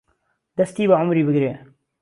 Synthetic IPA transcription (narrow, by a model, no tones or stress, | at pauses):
d̪ɐst̪iːbɐʕʊmɾiːbɨɡɾeː